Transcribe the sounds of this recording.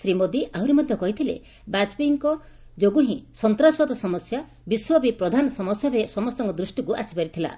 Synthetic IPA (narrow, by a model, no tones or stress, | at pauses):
sɾimod̪iʔawɾimɔd̪ʱjɔkɔɦit̪ʰilḛ | bad͡ʒbiŋkɔ | d͡ʒoɡuɦĩsɔnt̪ɾaswɔt̪ɔsɔmɔsja | biswɔbipɾɔd̪ʱanɔsɔmɔsjaɾesɔmɔst̪ɔŋkɔd̪ɾusʈikuʔasi̥paɾit̪ʰila̰